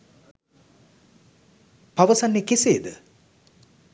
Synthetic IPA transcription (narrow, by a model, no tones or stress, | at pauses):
paʋəsanːekeseːd̪ə